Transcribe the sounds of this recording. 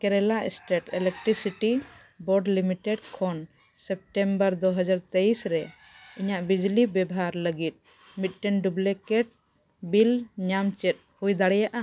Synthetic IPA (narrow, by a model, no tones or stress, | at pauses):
kɛɾɛlaɛsʈɛʈɛlɛk̚ʈɾisiʈi | bɔɖlimiʈɛɖkʰɔn | sɛp̚ʈɛmbəɾd̪ɔɦəd͡ʒaɾt̪ejsɾɛ | iɲaʔbid͡ʒlibɛbɦaɾləɡit̪̚ | mit̪̚ˀʈɛnɖublɛkɛʈ̚ | bilɲamt͡ʃɛt̪̚hujd̪aɽɛjaʔa